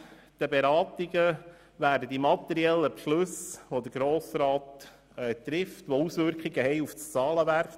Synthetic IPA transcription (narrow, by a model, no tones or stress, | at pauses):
d̪̥əbeɾɑːt̪iɡə | ʋæːɾdəd̪imɑt̪ːɛɾiɛlːəpʃlʉsʋod̪əɡɾoːsɾɑːt̪ | ɛːt̪ɾɪft̪ʋousʋʏɾkχiɡəɦɛɪjuft͡sɑːləʋæɾk